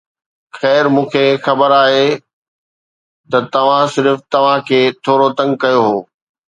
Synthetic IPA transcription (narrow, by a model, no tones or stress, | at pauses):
xɛːɾmũːkʰexɐbəɾaːɦe | t̪ɐt̪ɐʋ̤ãsɪɾft̪ɐʋ̤ãkʰeːt̪ʰoːɾot̪ɐ̃ŋɡkɐjoɦoː